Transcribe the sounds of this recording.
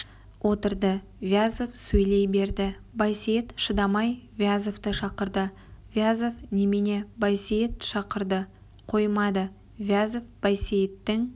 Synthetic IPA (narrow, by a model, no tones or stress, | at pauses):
wʔo̞t̪əɾd̪ə | vʲjazovsɵjle̞jbe̞ɾd̪ɪ | bɑjsejet̪ʃəd̪ɑmɑjvjazoft̪əʃɑqəɾd̪ə | vjazofnemene̞bɑjsejet̪ʃɑqəɾd̪ə | qʰo̞jmɑd̪ə | vʲjazofb̥ɑjsejt̪ːɪŋ